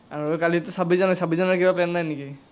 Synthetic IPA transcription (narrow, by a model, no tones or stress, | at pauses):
aɹuokalitʊsabizɔnajsabizɔnaɹkibaplɛnːajneki